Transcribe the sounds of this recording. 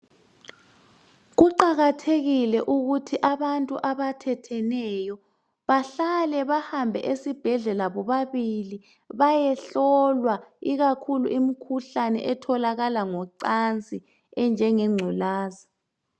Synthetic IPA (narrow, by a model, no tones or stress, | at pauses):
ɣuǃaɣatʰeɣilɛʔuɣutʰiʔaβantʼuʔaβatʰɛtʰɛnɛjɔ | βaɬalɛβahambʱɛ̰ʔesib̥ʱɛɮɛlaβɔβaβili | βajɛɬɔlwaiɣakʰuluʔimikʰuɬanɛ̰ʔɛtʰɔlaɣalaŋɔǀant͡sʼi | ɛnd͡ʒʱɛŋɛŋ͡ǀʱulaːza